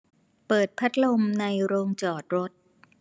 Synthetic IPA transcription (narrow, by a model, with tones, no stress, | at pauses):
pɤː˨˩t̪̚pʰa˦˥t̪̚lo˧mna˧jɾoː˧ŋt͡ɕɔː˨˩t̪̚ɾo˦˥t̪̚